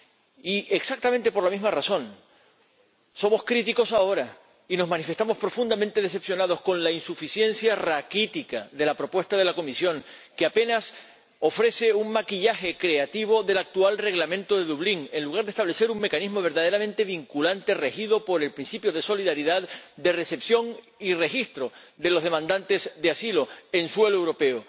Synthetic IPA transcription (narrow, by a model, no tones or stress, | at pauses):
iʔe̞ksak̚t̪ament̪e̞po̞ɾlamizmarasõ̞ŋ | so̞mo̞skɾit̪iko̞sao̞ɾa | ino̞zmãnife̞st̪amo̞spɾo̞fund̪amẽnt̪e̞ð̞e̞se̞psjo̞naðo̞hskõ̞nlainsufisje̞nsjarakit̪ikaðe̞lapɾo̞pwe̞st̪aðe̞lako̞misjõ̞ŋkeape̞nas | o̞fɾe̞se̞uŋmakiʎaxe̞kɾe̞at̪iβ̞o̞ðe̞lak̚t̪ualre̞ɣlamẽ̞nt̪o̞ðe̞ðuβ̞liŋe̞nluɣ̞aɾðest̪aβle̞se̞ɾuŋme̞kanizmo̞βe̞ɾðaðe̞ɾamẽ̞nt̪e̞βiŋkulant̪e̞re̞xiðo̞po̞ɾe̞lpɾinsipjo̞ðe̞so̞liðaɾiðaðd̪e̞re̞se̞psjo̞ŋ | ire̞xist̪ɾo̞d̪e̞lo̞zðe̞mãnd̪ant̪e̞zðeasilo̞e̞nswe̞loewɾo̞pe̞o